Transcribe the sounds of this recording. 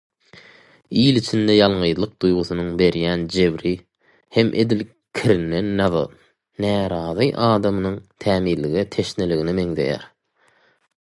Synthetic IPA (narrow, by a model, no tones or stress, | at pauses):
ijlit͡ʃʰind̪ejɑlˠɴɯjðlˠɯq̚d̪̥ujʁuθunuŋbe̞ɾjæːnd͡ʒe̞βɾi | he̞mʔe̞̰d̪il | kʲʰiɾinːe̞nːɑðɑ̰ | næːɾɑːðɯʔɑːd̪ɑmɯnɯŋt̪ʰæːmiːɾlːiɣet̪ʰe̞ʃneliɣinime̞ŋðe̞̰jæ̰ɾ